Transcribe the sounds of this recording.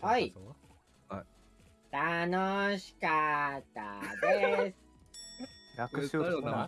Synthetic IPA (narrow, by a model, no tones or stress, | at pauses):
hai | t̪anoɕi̥kat̪ːa̰d̪es | nakɯo